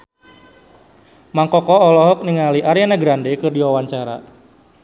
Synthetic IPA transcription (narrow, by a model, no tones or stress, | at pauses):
maŋkɔkɔːlɔɦɔk̚niŋaliʔaɾianaɡɾandekɨrdiwawaɲt͡ʃaɾa̰